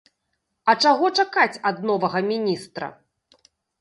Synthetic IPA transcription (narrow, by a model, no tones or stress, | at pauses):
ɐt͡ʂaɣɔt͡ʂakat͡sʲɐd̪̚nɔvɐɣɐmʲinʲist̪ɾɐ̰